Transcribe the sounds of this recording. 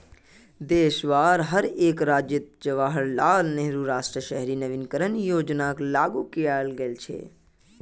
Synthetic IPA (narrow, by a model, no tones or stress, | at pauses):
d̪eːʃʋaːɾɦəɾeːkɾaːd͡ʒjɪt̪̚d͡ʒɐʋaːɦəɾlaːlneɦɾuɾaːsʈɾəʃɛɦɾiːnəʋɪnkəɾənjoːd͡ʒnaːklaːɡukijaːlɡəlt͡ʃʰḛː